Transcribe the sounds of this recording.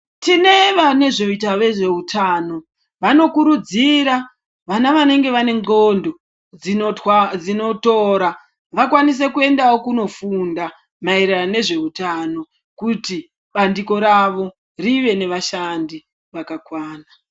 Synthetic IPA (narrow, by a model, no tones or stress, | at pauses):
tine̞ʋane̞ʐo̞itaʋe̞ʐe̞utʰaːno̞ | ʋano̞kuɾud͡ziɾa | ʋanaʋane̞ŋɡe̞ʋane̞ŋo̞ndo̞ | d͡zid͡zino̞to̞ɾa | ʋakwanis̬e̞kue̞ndawo̞kuno̞funda | mairerane̞ʐe̞utano̞ | kuti | ɓandiko̞ɾaʋo̞ | riʋe̞ne̞ʋaʃandi | ʋakakwaːna